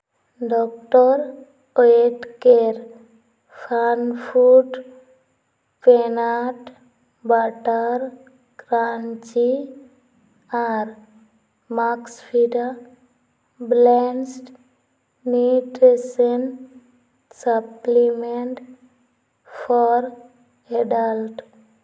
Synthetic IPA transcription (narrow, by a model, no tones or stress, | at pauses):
ɖɔk̚ʈɔɾ | oeʈkeɾ | pʰanpʰuʈ | penaʈ | baʈaɾ | kɾaɲt͡ʃi | aɾ | makspʰiɖa | blensʈ | niʈesen | səplimeɳʈ | fɔɾ | eɖəlʈ